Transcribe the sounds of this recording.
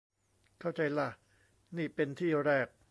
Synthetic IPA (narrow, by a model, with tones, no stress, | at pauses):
kʰa˥˩wt͡ɕa˧jla˥˩ | niː˥˩pe˧nt̪ʰiː˥˩ɾɛː˥˩k̚